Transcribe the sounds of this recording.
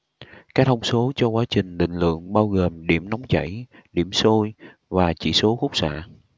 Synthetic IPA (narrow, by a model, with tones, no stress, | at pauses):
kaː˦˥k̚t̪ʰə˧wŋ͡mso˨˦t͡ɕɔ˧kwaː˨˦t͡ɕï˨˩ŋ̟lḭ̈˧˨ŋ̟lɨ̰˧˨əŋɓaː˧wɣəː˨˩mɗi˧˩əmnɔ˨˦wŋ͡mt͡ɕə̰˧˩j | ɗi˧˩əmso˧j | vaː˨˩t͡ɕḭ˧˩so˨˦xʊ˦˥k͡p̚sa̰ː˧˨